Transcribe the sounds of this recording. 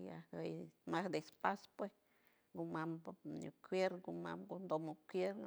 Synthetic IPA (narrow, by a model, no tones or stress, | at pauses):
ja̰həjmahd̪espaspwes | ɡumampɲṵkwjeɾɡuma̰mɡund̪omokʷjeɾ